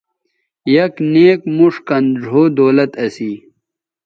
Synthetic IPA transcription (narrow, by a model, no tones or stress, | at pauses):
jɐkneːkmuʂkɐnɾʱoːd̪oːlɐt̪ɐsiː